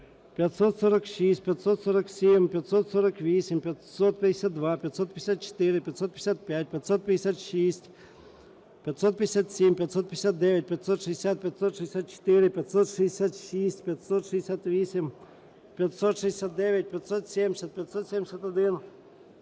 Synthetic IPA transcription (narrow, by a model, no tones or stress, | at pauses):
pʲjɐt̪sɔt̪sɔɾɐkʃisʲt̚ʲpʲjɐt̪sɔt̪sɔɾɐksʲimʲpʲjɐt̪sɔt̪sɔɾɐkʋʲisʲɪmʲpʲjɐt̪sɔt̪̚pʲɐd̪ʲɪsʲat̪̚d̪ʋapʲjɐt̪sɔt̪p̪ʲɪsʲat̪̚t͡ʃe̥t̪ɪɾɪpʲjɐt̪sɔt̪̚pʲɪ̥j̥ʲɪsʲat̪̚pʲjat̚ʲpʲjɐt̪sɔt̪̚pʲd̪ʲɪsʲat̪ʃisʲtʲ | pʲjɐt̪sɔt̪̚pʲɪd̪ʲɪsʲat̪sʲimʲpʲjɐt̪sɔt̪pʲɪd̪ʲɪsʲat̪̚d̪ɛʋʲɐt̚ʲpʲjɐt̪sɔt̪ʂɪd̪ʲɪsʲat̪̚pʲɐt̪sɔt̪ʃɨɪsʲat̪̚t͡ʃe̥t̪ɪɾɪpʲɐt̪sɔt̪ʂɪd̪ʲesʲat̪ʃisʲtʲpʲjɐt̪sɔt̪ʂɪeɪsʲat̪ʋʲisʲɪm | pʲjɐt̪sɔt̪ʂɨd̪ʲɪ̥sʲat̪̚d̪ɛʋʲɐt̚ʲpʲɐt̪sɔt̪sʲemʲsʲɐt̪̚pʲjɐt̪sɔt̪sʲemʲsʲɐt̪ɐd̪ɪn